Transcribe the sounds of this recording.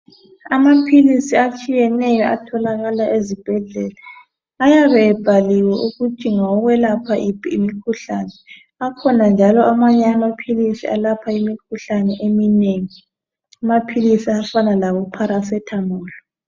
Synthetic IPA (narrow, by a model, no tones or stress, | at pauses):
amapʰilisiat͡ʃʼijɛnɛjɔʔa̰tʰɔlaɣalaʔezib̥ʱɛɮɛːla | ajaβɛːb̥ʱaliwɛʔuɣu̥ʒ̥ʱʼiŋaɔɣwɛlapʰaʔipʰiːmikʰuɬaːnɛ | akʰɔnand͡ʒʱalɔamaɲɛamapʰilisialapʰaimikʰuɬanɛʔemineŋi | amapʰilisiafanalaβɔpʰaɾasɛtʰamɔːlɔ